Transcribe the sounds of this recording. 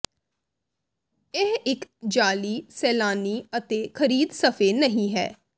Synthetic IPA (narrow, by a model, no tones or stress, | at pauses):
ɪɦɪkd͡ʒaːliːsɛːlaːniːət̪eːkʰəɾiːd̪səfʰeːnəɦĩːɦɛ̰ː